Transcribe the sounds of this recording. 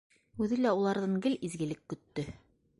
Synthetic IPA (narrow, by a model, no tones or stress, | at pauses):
ʉðɘlæulˠɑɾðɤŋɡɘlizɡɘ̆lɘkːɵ̆t̪ːɵ